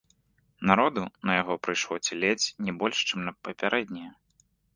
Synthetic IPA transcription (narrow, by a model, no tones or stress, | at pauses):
naɾɔd̪unɐjaɣɔpɾɨjʂlˠɔt͡sʲilʲet͡sʲnʲɛbɔlʲʂt͡ʂɨmnɐpɐpʲaɾʔɛd̪ʲnʲɛjɐ